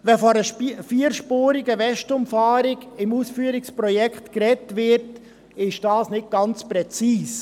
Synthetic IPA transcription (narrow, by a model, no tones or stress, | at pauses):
ʋɛfɔɾəfiːɾʃpoːɾiɡəʋɛʃtʊmfɑːɾɪɡɪmuːsfyːəɾɪkspɾɔjɛkχtkɾɛtʋɪɾt | ɪʃd̥ɑːsnɪt̚ɡ̥ɑnt͡spɾɛt͡siːs